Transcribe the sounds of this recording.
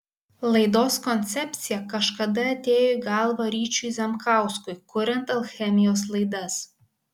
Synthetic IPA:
lˠɐɪd̪oːskɔnʲt̪sʲɛpʲt̪sʲɪjɛkɐʃkɐd̪ɐɐt̪ʲeːjoɡɑlˠʋɐɾʲiːt͡ʃʲujzʲɛmkɑˑʊskʊɪkʊɾʲɛnt̪ɐlˠxʲɛmʲɪjoːslˠɐɪd̪ɐs

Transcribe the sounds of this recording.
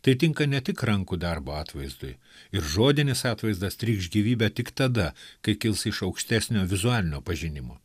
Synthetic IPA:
t̪ɐɪt̪ʲɪŋkɐnʲɛt̪ʲɪkɾɐŋkud̪ɐɾboːɑːt̪ʋɐɪzd̪ʊj | ɪɾʒoːd̪ʲɪnʲɪsɑːt̪ʋɐɪzd̪ɐst̪ʲɾʲiːkʒɡʲiːʋʲiːbʲɛt̪ʲɪkt̪ɐd̪ɐkɐɪkʲɪlˠsɪʃɐʊkʃʲt̪ʲæːsʲnʲoːʋʲɪzʊɑːlʲɪnʲoːpɐʒʲɪnʲɪmo̰ː

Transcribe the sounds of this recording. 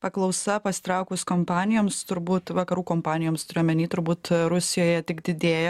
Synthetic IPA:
pɐklˠɐʊsɐpɐsʲɪ̥t̪ɾɑʊkʊskoːmpɑːnʲɪjoːmst̪ʊɾbuːt̪ʋɐkɐɾuːkoːmpɑːnʲɪjoːmst̪ʊɾʲejmʲɛnʲiːt̪ʊɾbuːt̪ɾʊsʲɪjoːjɛt̪ʲɪkd̪ʲɪd̪ʲeːjɛ

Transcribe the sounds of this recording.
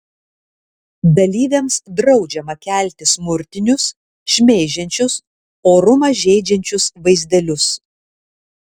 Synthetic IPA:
d̪ɐlʲiːʋʲeːmsd̪ɾɒʊd͡ʒʲɛmɐkʲæˑlʲˑt̪ʲɪsmʊɾʲt̪ʲɪnʲʊs | ʃʲmʲɛːʒʲɛnʲt͡ʃʲʊs | oːɾʊmɐʒʲɛɪd͡ʒʲɛnʲt͡ʃʲʊsʋɐɪzʲd̪ʲɛlʲʊs

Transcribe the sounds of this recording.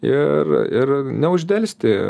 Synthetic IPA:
ɪrɪrnʲɛʊʒʲd̪ʲɛlʲsʲt̪ʲɪ

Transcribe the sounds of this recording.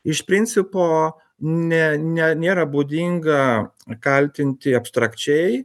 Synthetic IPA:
ɪʃpʲɾʲɪnʲt͡ssʲɪpoː | nʲɛnʲɛnʲeːɾɐbuːd̪ʲiŋɡɐkɐlʲt̪ʲɪnʲt̪ʲɪɐpst̪ɾɐkt͡ʃʲɛɪ

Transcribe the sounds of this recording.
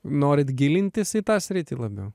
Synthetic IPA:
noːɾʲɪt̪ɡʲɪlʲɪnʲt̪ʲɪsɪt̪ɑːsʲɾʲɪt̪ʲɪlˠɐbʲɛʊ

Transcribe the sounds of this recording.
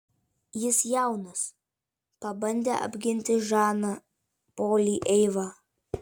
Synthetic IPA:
jɪsjæˑʊnɐs | pɐbɐnʲd̪ʲḛːʔɐ̰bʲɡʲɪnʲt̪ʲɪʒɑːnɑ | poːlʲiːʔɛɪʋɑː

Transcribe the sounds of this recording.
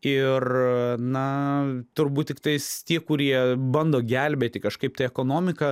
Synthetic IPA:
ɪrnɐt̪ʊɾbuːt̪̚ʲtʲɪk̚t̪ɐɪst̪ʲiɛkʊɾʲiɛbɐnd̪oːɡʲælʲbʲeːt̪ʲɪkɐʃkɐɪp̚t̪ɐɪɛkoːnoːmʲɪkɐ

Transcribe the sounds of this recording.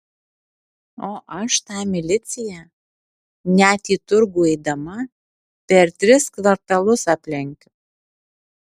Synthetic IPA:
oːʔɐʃt̪ɑːmʲɪlʲɪt̪sʲɪjæ | nʲæt̪iːt̪ʊɾɡuɛd̪ɐmɐ | pʲɛɾt̪ʲɾʲɪskʋɐɾt̪ɐlˠʊsɑpʲlʲɪŋʲkʲ

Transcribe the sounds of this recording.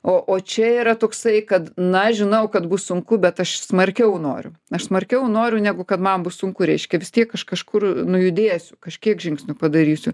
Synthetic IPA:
oːʔoːt͡ʃʲɛiːɾɐt̪oːksɐɪkɐt̪nɐʒʲɪnɐʊkɐt̪bʊssʊŋkʊbʲɛt̪ɐʃsmɐrʲkʲɛʊnoːɾʲʊ̰ɐʃsmɐrʲkʲɛʊnoːɾʲʊnʲæɡʊkɐt̪mɐmbʊssʊŋkʊɾʲɛɪʃʲkʲɛʋʲɪstʲiɛkkɐʃkɐʃkʊrnʊjʊd̪ʲeːsʲʊkɐʃʲkʲiɛkʒʲɪŋksʲnʲʊpɐd̪ɐɾʲiːsʲʊ

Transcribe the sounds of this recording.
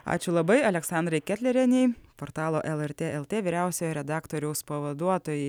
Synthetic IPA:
ɑ̰ːt͡ʃʲʊlˠɐbɐɪɐlʲɛksɑːnd̪ɾɐɪkʲɛt̪ʲlʲɛɾʲɛnʲɛɪpoːɾt̪ɑːlˠoːʔɛlˠɛɾt̪ʲeːɛlˠt̪ʲeːʋʲiːɾʲæˑʊsʲoːjɔɾʲɛd̪ɑːkt̪oːɾʲɛʊspɐʋɐd̪uɔt̪oːjɛɪ

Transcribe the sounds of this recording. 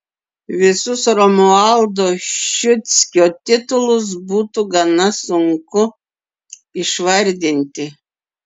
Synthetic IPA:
ʋʲɪsʊsɾɔmuɑlˠd̪oːʃʊt̪sʲkʲoːt̪ʲɪt̪ʊlˠʊs̬buːt̪uɡɐnɐsʊŋkʊ | ɪʃʋɐɾʲd̪ʲɪnʲt̪ʲɪ

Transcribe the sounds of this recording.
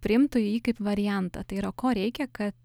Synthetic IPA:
pʲɾʲɪɪmt̪ʊjiːkɐɪpʋɐɾʲɪjɛnt̪ɐ̰t̪ɐɪiːɾɐkoːɾʲɛɪkʲɛkɐt̪

